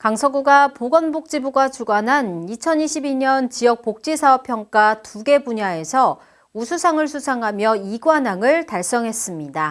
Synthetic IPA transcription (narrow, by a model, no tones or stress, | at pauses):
kaŋsʰʌɡuɡapoɡʌnbok̚t͡ɕ͈ibuɡat͡ɕuɡwanɦanit͡ɕʰʌniɕʰibiɲʌnt͡ɕijʌk̚pok̚t͡ɕ͈isʰaʌpʰjʌŋk͈atuɡe̞buɲae̞sʰʌ | usʰusʰaŋɯɭsʰusʰaŋɦamjʌiɡwanaŋɯɭtaɭs͈ʌŋɦe̞s͈ɯmɲida